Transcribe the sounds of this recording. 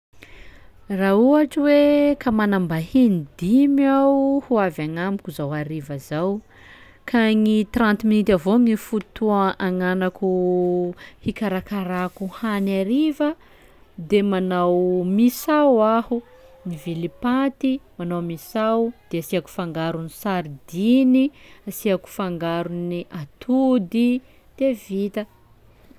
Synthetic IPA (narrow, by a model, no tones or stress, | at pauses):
rauaʈ͡ʂiwekamanambahinid̪imawhuavaŋamikʲuzawaɾivazaw | kʰaŋit̪rãnt̪minit̪avoŋifut̪uaʔaŋanaku | hikaɾakaɾakuhanaɾivə | d̪emanawmisawahu | nivilipat̪imanawmisawd̪̥easiaku̥faŋɡaɾunisaɾid̪iniasiaku̥faŋɡaɾuniʔat̪ʰud̪i | t̪evit̪ə